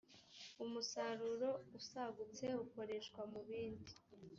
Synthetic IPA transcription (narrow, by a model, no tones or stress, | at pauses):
umusaɾuɾo̞usaɡut͡se̞uko̞ɾe̞ʃkwamuβiːndi